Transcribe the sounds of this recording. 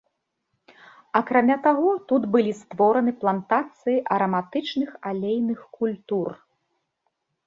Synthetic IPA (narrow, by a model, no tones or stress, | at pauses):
akɾamʲat̪aɣɔt̪ut̪bɨlʲist̪vɔɾɐnɨplˠant̪at̪sɨjiʔɐɾɐmat̪ɨt͡ʂnɨxalʲejnɨxkulʲt̪ur